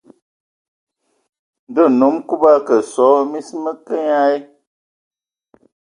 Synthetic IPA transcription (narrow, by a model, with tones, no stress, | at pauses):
də˦˨nu˨˦mku˦ba˦kə˨sɔ˨˦mi˦smə˦kə˦ɲa˦e˦